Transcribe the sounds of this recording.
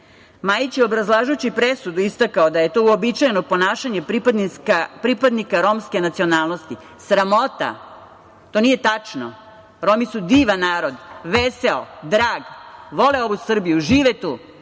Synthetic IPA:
majit͡ɕjeo̞bɾazlˠaːʒujt͡ɕipɾesud̪uist̪akaod̪aje̞t̪ouobit͡ʃajenopo̞naːʃaɲeɾip̪kapɾipad̪nikaɾo̞mske̞nat̪sio̞naːlˠno̞st̪i | sɾamo̞t̪a̰ | t̪o̞nije̞t̪at͡ʂno | ɾo̞misud̪iːʋanːaːɾo̞d̪ʋeseod̪ɾaːɡʋo̞leo̞ʋusr̩bijuʒiːʋet̪uː

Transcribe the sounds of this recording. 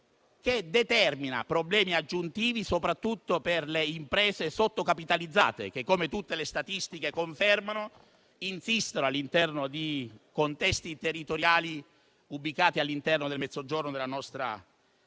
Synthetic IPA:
ked̪et̪ɛrmina̰pɾoblɛːmiad͡ʒːunt̪iːvisopɾat̪ːut̪ːoperleimpɾɛːzesot̪ːokapit̪alid̪zːa̰ːt̪ḛk̟ekːomet̪ut̪ːelest̪at̪ist̪ikekoɱfɛrmano | insist̪onoalːint̪ɛrnod̪ikont̪ɛst̪it̪erːit̪oɾjaːli | ubːikaːt̪ialːint̪ɛrnod̪elmɛt̪zod͡ʒornod̪elanɔst̪ɾa̰

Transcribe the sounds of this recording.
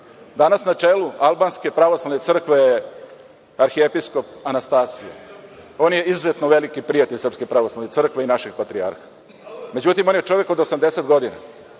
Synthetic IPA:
d̪anasnat͡ʂeːlualˠbanske̞pɾaʋoslaʋne̞t̪r̩kʋe̞j | aɾxiepisko̞panast̪aːsija̰o̞ːnje̞izuzet̪noʋe̞likipɾijat̪e̞ʎʲsərpske̞pɾaʋoslˠaʋnet̪sr̩kʋe̞inaʃeɡpat̪ɾia̰ɾxḁ | me̞d͡ʑut̪imo̞njet͡ʂo̞ʋe̞ko̞d̪osamd̪eset̪ɡo̞d̪ina̰

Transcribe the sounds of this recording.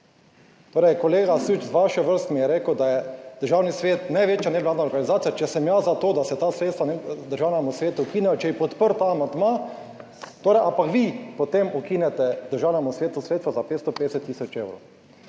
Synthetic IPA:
t̪oːɾɛjkɔleːɡasut͡ʃzʋaʃɛʋəɾst̪mijɛɾeːkəwd̪ajɛd̪̥əɾʒaːwnisʋeːt̪najʋeːt͡ʃjanɛd̪laːd̪naɔɾɡanizaːt̪sijat͡ʃɛsɛmjazat̪oːd̪asɛt̪asɾeːt̪st̪ʋand̪əɾʒaːwnamusʋeːt̪ukiːnɛjɔt͡ʃɛjipɔt̪pəɾt̪aːmand̪ma | t̪oːɾɛjʔãmpakʋipɔt̪emukiːnɛt̪ɛd̪əɾʒaːwnamusʋeːt̪usɾet̪st̪ʋɔzapet̪st̪ɔpeːd̪ɛsɛt̪ːiːsɔt͡ʃewɾo̰w

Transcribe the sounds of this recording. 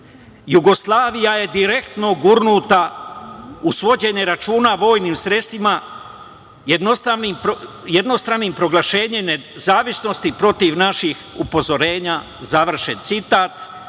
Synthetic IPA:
juɡo̞slˠaːʋijaje̞d̪iɾe̞kt̪no̞ɡuɾnut̪a | usʋo̞d͡ʑe̞ɲe̞ɾat͡ʃuːnaʋo̞ːjniːmsɾe̞st̪ima | jed̪nost̪animp | jed̪no̞st̪ɾanimpɾo̞ɡlaʃe̞ːɲemnezaːʋisno̞st̪ipɾo̞t̪iʋnaʃixupo̞zo̞ɾe̞ːɲa | zaʋr̩ʃent̪sit̪aːt̪

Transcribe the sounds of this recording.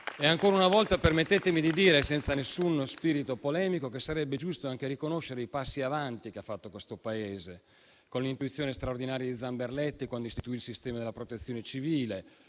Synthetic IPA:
eaŋkoːɾaunavɔlt̪apermet̪ːeːt̪emid̪id̪iːɾesɛnt̪sanesːunspiːɾit̪opolɛːmikokesaɾɛbːed͡ʒust̪oaŋkeɾikonoʃːeɾeipasːiavant̪ik̟eafːat̪ːokwest̪opaeːze | konlint̪uit̪sːjoːnest̪ɾaord̪inaːɾjad̪id̪zamberlɛt̪ːikwand̪oist̪it̪uilsist̪ɛːmad̪elapɾot̪et̪sːjoːnet͡ʃiviːle

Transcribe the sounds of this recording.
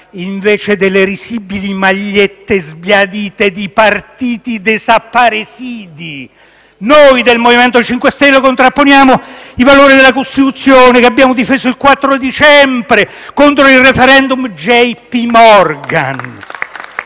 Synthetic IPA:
iɱveːt͡ʃed̪elːeɾisibilimaʎːet̪ːezbjad̪iːt̪ed̪ipart̪iːt̪id̪esapːaɾesiːd̪i | nojd̪elmovimɛnt̪ot͡ʃiŋkwest̪ɛlːokont̪ɾapːonjaːmoivaloːɾid̪elːakost̪it̪ut̪sːjoːnekeabːjaːmod̪ifeːzoilkwat̪ːɾod̪it͡ʃɛmbɾe | kont̪ɾoirefɛɾɛnd̪umd͡ʒɛjpimɔrɡa̰n

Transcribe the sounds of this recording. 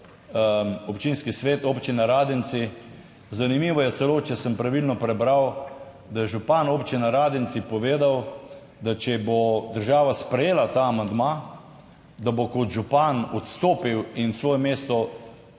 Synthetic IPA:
ɔpt͡ʃinskisʋeːt̪oːpt͡ʃinɛɾaːd̪ɛnt̪si | zanimiːʋɔjɛsɛloːt͡ʃɛsəmpɾaʋilnɔpɾɛbɾaw | d̪ajɛʒupanoːpt͡ʃinɛɾaːd̪ɛnsipɔʋeːd̪aw | d̪at͡ʃɛbod̪əɾʒaːʋaspɾɛjeːlat̪aːmand̪ma | d̪abokot̪ʒupanɔt̪st̪oːpiwinsʋoːjɛmeːst̪ɔ

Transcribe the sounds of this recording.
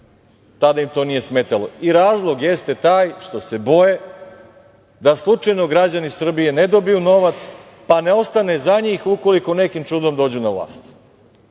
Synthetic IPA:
t̪ad̪aimt̪o̞ːnije̞smeːt̪alˠoiɾaːzlˠo̞ɡjest̪e̞t̪aːjʃt̪o̞se̞bo̞je̞ | d̪aslˠut͡ʃajno̞ɡɾad͡ʑanisr̩bije̞ned̪o̞bijuno̞ʋat̪s | pane̞o̞st̪ane̞zaɲiːxuko̞liko̞ne̞kimt͡ʂud̪o̞md̪o̞ːd͡ʑunaʋlˠa̰ːst̪

